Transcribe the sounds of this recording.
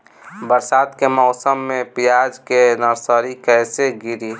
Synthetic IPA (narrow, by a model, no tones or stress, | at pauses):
bəɾsaːd̪kemɔʊsəmːẽpijaːd͡ʒkenəɾsəɾikɛːseɡiɾi